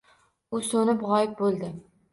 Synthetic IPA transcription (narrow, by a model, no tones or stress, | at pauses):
ʊsonɪpʁɒjɪp̚bolˠd̪ɪ